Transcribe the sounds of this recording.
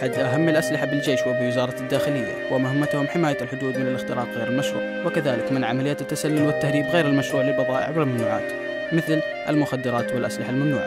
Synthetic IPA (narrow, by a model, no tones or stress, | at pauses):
ħad̪ʔaɦamːɪlʔaslɪħabɪld͡ʒeːʃwɪbɪwɪzɑːɾˤɑd̪ːaːxɪlɪjːa̰wɪmʊhamːat̪hʊmħɪmaːjalħʊd̪uːd̪mɪnɪlɪxt̪ɪɾɑːt̪ˤɣeːɾɪlmaʃɾṵːʕwɪkaðaːlɪkmɪnʕamalɪjːat̪t̪ːasalːʊlwɪt̪ːahɾiːbɣeːɾɪlmaʃɾuːʕlɪlbɑðˤɑːʔɪ̰ʕwɪlmamnuːʕa̰ːt̪ | mɪθl | ʔɪ̰lmʊxad̪ːɪɾˤɑːt̪wɪlʔaslɪħalmamnṵːʕa̰